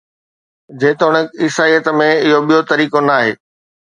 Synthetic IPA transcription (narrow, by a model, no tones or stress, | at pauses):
d͡ʑeːt̪oɽ̃ekɪsaːijət̪mẽɪɦoɓijot̪ɐɾiːkonaːɦeː